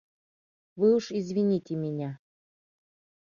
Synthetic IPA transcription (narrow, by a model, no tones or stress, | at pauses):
vɨuʂizvʲinʲitʲɪmʲɪnʲa